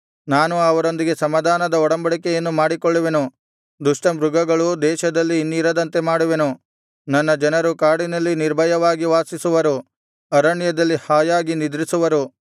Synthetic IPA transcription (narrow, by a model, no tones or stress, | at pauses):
naːnuɐʋɐɾo̞nd̪iɡe̞sɐmɐd̪ʱaːnɐd̪ɐɔɽɐmbɐɭikɛjɐnːumaːɽikoɭːuʋe̞nu | d̪uʂʈɐmɾuɡɐɡɐɭud̪ɛːʃɐd̪ɐlːiːnːiɾɐd̪ɐnt̪e̞maːɽuʋe̞nu | nɐnːɐd͡ʒɐnɐɾukaːɽinɐlːiniɾbʱɐjɐʋaːɡiʋaːsisuʋɐɾu | ɐɾɐɳjɐd̪ɐlːihaːjaːɡinid̪ɾisuʋɐɾu